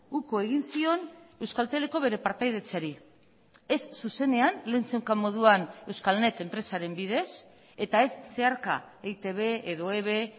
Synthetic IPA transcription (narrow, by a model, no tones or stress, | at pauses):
ukoeɣ̞insio̞ne̞wskalt̪e̞le̞ko̞β̞e̞ɾe̞paɾt̪ajðet͡saɾi | e̞sːuse̞ne̞anle̞ːnsewkamo̞ð̞uane̞wskalne̞t̪e̞mpɾe̞saɾe̞mbiðe̞s | e̞t̪ae̞sːe̞aɾka̰ | ejt̪eβe̞eðo̞eβ̞e̞